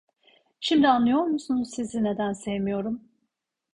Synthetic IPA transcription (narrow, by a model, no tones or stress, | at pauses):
ʃimd̪ianlˠɯjo̞ɾmusunuzsizine̞d̪ænsevmijo̞ɾum